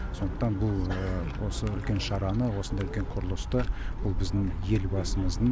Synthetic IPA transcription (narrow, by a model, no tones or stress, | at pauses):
sond̪əq̚t̪ɑnbʊlˠəwo̞səʏlkʲe̞nʃɑɾɑnəwo̞sənd̪ɑʏlkʲe̞ɴqʰʊɾəlˠəst̪əbʊlˠbɪzd̪ɪŋje̞lbɑsəməzd̪ə